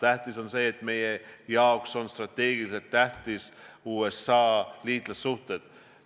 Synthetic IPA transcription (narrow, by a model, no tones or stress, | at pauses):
t̪æht̪iso̞nse̞ːt̪ːˑme̞jejɑokso̞nst̪rɑt̪ːe̞ːɡ̥iliselt̪ːæht̪isuːesɑːliːd̪lɑsːuht̪e̞d̪̥